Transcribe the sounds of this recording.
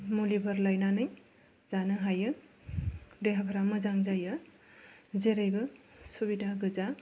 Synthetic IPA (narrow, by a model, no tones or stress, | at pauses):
mulibʱəɾlajnanɯj | zanɯɦajɯ | deɦabʱaɾamɯzaŋzajɯ | zeɾajbɯsubidʱaɡɯza